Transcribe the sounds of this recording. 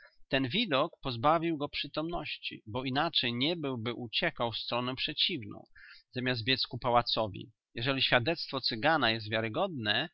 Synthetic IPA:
t̪ɛnvʲid̪ɔkpɔzbavʲiwɡɔpʂɘt̪ɔmnɔɕt͡ɕḭbɔinat͡ʂɛjɲɛbɘwbɘʔut͡ɕɛkawfst̪ɾɔnɛpʂɛt͡ɕivnɔ̰̃w̃zamʲjasd̪̚bʲjɛt̪skupawat̪sɔvʲḭ | jɛʐɛlʲiɕfʲjad̪ɛt̪st̪fɔt̪sɘɡanajɛs̬t̪vʲjaɾɘɡɔd̪̚nɛ

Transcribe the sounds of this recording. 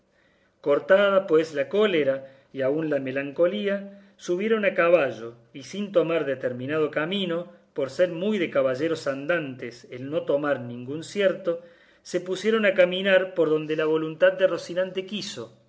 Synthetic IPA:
koɾt̪aðapwe̞slako̞leɾa | iaunlame̞laŋko̞lia | suβ̞je̞ɾo̞nakaβaʒo̞ | isint̪o̞maɾðet̪eɾmĩnaðo̞kamĩno̞po̞ɾseɾmujðekaβaʒe̞ɾo̞sand̪ant̪eselno̞t̪o̞maɾnĩŋɡunsjeɾt̪o̞ | se̞pusjeɾo̞nakamĩnaɾpo̞ɾðo̞nd̪elaβ̞o̞lunt̪ad̪̚ːerosinãnt̪ekiso̞

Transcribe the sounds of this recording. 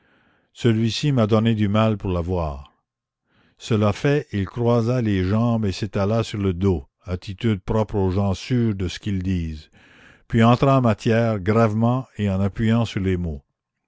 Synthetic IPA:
səlɥisimad̪ɔned̪ymalpuʁlavwaːʁ | səlafɛilkrwazaleʒɑ̃beset̪alasyʁləd̪o | at̪ʰit̪yd̪̚pɾɔpɾoʒɑ̃syːʁd̪əsə̥kild̪iːz | pɥiɑ̃t̪ɾãɑ̃mat̪jɛːʁɡʁavmɑ̃eɑ̃napɥijɑ̃syʁlemo

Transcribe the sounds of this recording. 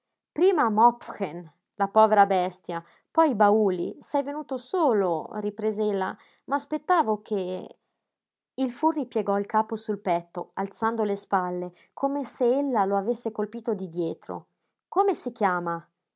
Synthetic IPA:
pɾiːmamɔpxen | lapɔːveɾabɛst̪ja | pɔjbauːlḭsɛjvenuːt̪osoːloripɾeːzeelːa̰ | maːspet̪ːaːvokʰe | ilfurːipjeɡɔilkaːposulpɛt̪ːoalt̪sand̪olespalːe | kʰomeseelːaloavesːekolpiːt̪od̪id̪jɛːt̪ɾo̰ | komesik̟jaːma

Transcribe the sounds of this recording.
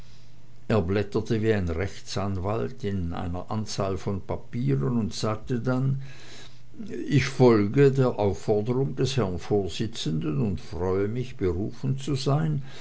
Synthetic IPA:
ʔeːɐblɛtɐtəviːaɪnʁɛçt͡sanvaltɪnʔa̰ɪnɐʔant͡saːlfɔnpʰapiːʁənʊntz̥aːk̚tədan | ɪçfɔlɡədeːɐʔaʊfːɔɐdəʁʊŋdɛshɛɐnfoːɐz̥ɪt͡səndənʊntfʁ̥ɔʏəmɪçb̥əʁuːfn̩t͡suzaɪn

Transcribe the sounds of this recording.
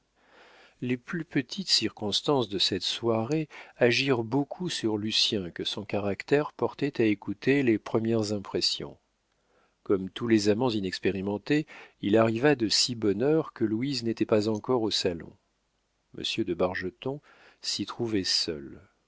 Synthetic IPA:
leplypət̪ʰit̪siʁkɔ̃st̪ɑ̃sd̪əsɛt̪swaʁeaʒiʁbokʰusyʁlysjɛ̃kəsɔ̃kaʁakt̪ɛʁpɔʁt̪ɛt̪aekut̪elepχəmjɛʁzɛ̃pχɛsjɔ̰̃ | kɔmt̪ulezamɑ̃zinɛkspeʁimɑ̃t̪eilaʁivad̪əsibɔnœʁkəlwiznet̪ɛpazɑ̃kɔʁosalɔ̰̃ | mʔə̰sjød̪əbaʁʒət̪ɔ̃ | sit̪χuvɛsœ̰l

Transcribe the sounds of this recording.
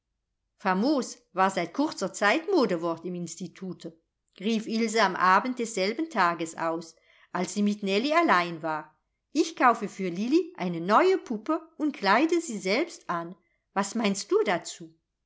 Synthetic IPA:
famoːs | vaːɐzaɪt̚kʰʊʁt͡sɐt͡saɪtmoːdəvɔɐtɪmɪnstitʰuːtʰə | ʁiːfilzəamʔaːbnt̚d̥ɛsz̥ɛlbn̩tʰaːɡəsa̰ʊs | ʔalsz̥iːmɪtnɛlialaɪnvaːʁ | ʔɪçkʰaʊfəfyːɐliliʔa̰ɪnənɔʏəpʰupəʊnt̚kʰlaɪdəziːzɛlpstʔan | vasmaɪnst̚d̥uːdat͡suː

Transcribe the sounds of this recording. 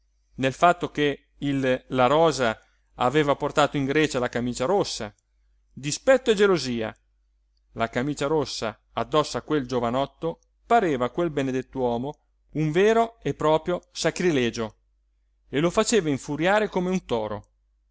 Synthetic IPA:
nelfat̪ːok̟e | ilːaɾɔːza | a̰veːvaport̪aːt̪oiŋɡɾɛːt͡ʃalakamiːt͡ʃaɾosːa̰ | d̪ispɛt̪ːoed͡ʒeloziːa̰ | lakamiːt͡ʃaɾosːa | ad̪ːɔsːakːweld͡ʒovanɔt̪ːo | paɾeːvakwelbened̪et̪ːwɔːmo | uɱvɛːɾoepːɾɔːpɾjosakɾilɛːd͡ʒo | elofat͡ʃeːvaiɱfuɾjaːɾekomeunt̪ɔːɾo

